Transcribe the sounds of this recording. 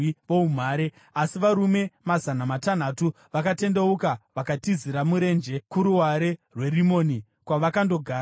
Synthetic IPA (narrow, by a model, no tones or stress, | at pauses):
ʋoum̤aːɾe | asiʋaɾume̞mazanamatan̤atu | ʋakate̞ndeukaʋakatiziɾamuɾe̞nd͡ʒe̞kuɾuwaɾe̞rwe̞rimoːni | kwaʋakando̞ɡʱaː